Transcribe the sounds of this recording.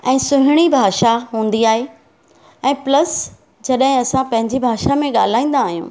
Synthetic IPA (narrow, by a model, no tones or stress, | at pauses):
ɛ̃ːsʊɦɪɽ̃ibʱaːʃaɦũːn̆d̪iaːɦe | ɛ̃ːplɐs | d͡ʑɐɗɦɪ̃ɐsãpɐ̃ɦɪ̃ɲd͡ʑibʱaːʃamẽɠa̰ːl̤aːĩːnd̪aːɦijṵ̃ː